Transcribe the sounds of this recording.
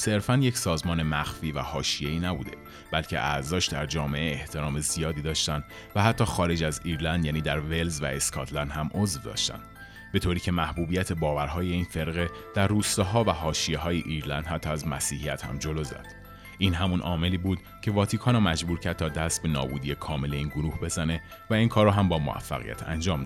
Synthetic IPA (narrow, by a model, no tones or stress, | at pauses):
se̞ɾfænjecsɒːzmɒːne̞mæxfiːvæ̰hɒːʃije̞iːnæbṵːd̪e̞̰ | b̥ælcʰe̞̰ʔæɾzɒːʃd̪æɾd͡ʒɒːme̞ʔeːht̪ʰe̞ɾɒːme̞zijɒːd̪iːd̪ɒːʃt̪ænd̪̥ | væhæt̪ʰːɒːxɒːɾe̞d͡ʒæziːɾlænd̪jæːniːd̪æɾve̞lzvæ̰eskʰɒ̰ːt̪ʰlænd̪hæmʔozvd̪ɒ̰ʃt̪æ̰nd̪̥ | b̥e̞t̪ʰoɾiːcʰe̞mæhbuːbijæt̪ʰe̞bɒːvæɾɦɒːje̞iːnfe̞ɾɣe̞d̪̥æɾruːst̪ɒːɦɒːvæɦɒːʃijeɦɒːjeʔiːɾlænd̪̥hæt̪ʰːɒːæzmæsiːhijæt̪hæ̰md͡ʒo̞lozæ̰d̪̥ | ʔiːnɦæmunʔɒ̰ːme̞liːbuːd̪̥ | cʰe̞vɒːt̪ʰiːkʰɒːnɔːmæd͡ʒbuːɾcʰæɾd̪̚t̪ʰɒːd̪æst̪̚be̞nɒ̰ːbuːd̪ije̞kʰɒːme̞le̞iːnɡoɾuːhbe̞zæne̞ | væiːnkʰɒːɾːɔɦæmbɒːmo̰æ̰fːæ̰ɣḭjæ̰t̪ʰæ̰nd͡ʒɒːmd̪